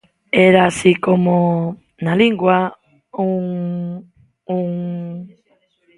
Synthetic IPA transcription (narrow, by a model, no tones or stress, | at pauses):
eɾasikomo | naliŋɡwa | uŋ | uŋ